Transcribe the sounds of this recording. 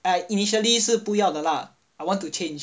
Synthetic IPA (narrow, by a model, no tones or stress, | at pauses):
ainiʃəliʂ̩pujɑʊd̪əla | awãnt̪ut͡ɕʰɛni